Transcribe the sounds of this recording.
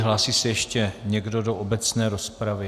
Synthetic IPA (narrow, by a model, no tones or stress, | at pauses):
ɦlaːsiːsɛjɛʃcɛɲɛɡdo̞doʔobɛt͡snɛːɾospɾavɪ